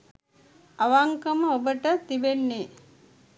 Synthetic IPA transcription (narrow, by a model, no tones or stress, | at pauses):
aʋaŋkəməobəʈət̪ibenːe